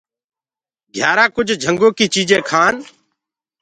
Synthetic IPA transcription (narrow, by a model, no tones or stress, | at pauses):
ɡʱjaːɾaːkʊd͡ʒʱd͡ʒʱəŋɡoːkiːt͡ʃiːd͡ʒẽːkʰaːn